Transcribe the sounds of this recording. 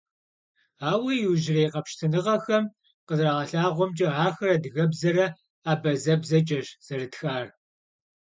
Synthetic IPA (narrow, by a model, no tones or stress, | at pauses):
aːwɐjɪwʒɪreːjqɐpʃtʰɨnɨʁɐxɐm | qəzraʁɐɬaːʁʷɔmt͡ʃʼɐʕaːxɐrɐdɨɣɐbzɐɾɐ | aːbɐzɐbzɐt͡ʃʼɐʒz̥ɐrɨtxaːr